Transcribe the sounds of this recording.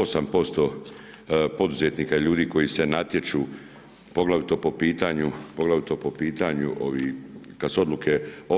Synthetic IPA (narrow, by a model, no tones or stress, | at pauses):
osampo̞st̪o̞ | po̞d̪uzet̪niːkaiʎuːd̪iːko̞jise̞nat̪je̞t͡ʃuː | po̞ɡlaʋit̪o̞po̞piːt̪aɲupo̞ɡlaʋit̪o̞ːpopiːt̪aɲuʔo̞̰ʋikad̪suo̞d̪lˠukʰe̞o